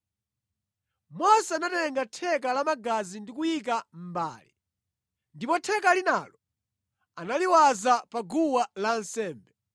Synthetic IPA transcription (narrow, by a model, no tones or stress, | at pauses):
mɔsɛanatɛŋɡatʰɛk̬alamaɡazindikujik̬am̩ba̰ːli | ndipɔtʰɛkalinaːlɔ | analiwazapaɡuwalansɛːmbɛ